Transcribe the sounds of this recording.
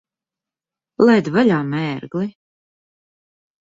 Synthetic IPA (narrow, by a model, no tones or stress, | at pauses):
lˠɛjd̪valʲaːmɛːɾɡlˠi